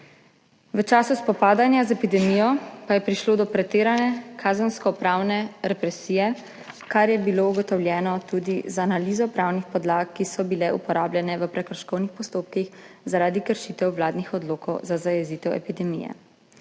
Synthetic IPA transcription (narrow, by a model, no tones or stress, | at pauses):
ʋət͡ʃaːsuspɔpaːd̪anjazɛpid̪ɛmijɔpajɛpɾiʃloːd̪ɔpɾɛt̪eːɾanɛkʰaːzənskɔpɾaːwnɛɾɛpɾɛsiːjɛ | kaɾjɛbilouɡɔt̪ɔwljɛːnɔt̪ud̪izaanaliːzɔpɾaːwnixpɔd̪laːkːisɔbilɛṵpɔɾaːblʲjɛnɛʋəpɾɛkɾɔʃkɔwnixpɔst̪oːp̚kixzaɾaːd̪ikəɾʃit̪ɛwʋlaːd̪nixɔd̪loːkɔwzazajɛziːt̪ɛwɛ̰pid̪ɛmḭjɛ̰